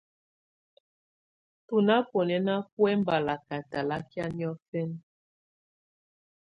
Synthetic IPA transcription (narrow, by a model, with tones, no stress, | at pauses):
tu˨na˦po˨nɛ˨na˦pwɛ˦mba˨la˨ka˨ta˨la˦kja˦n˦ɔ˦fɛ˦n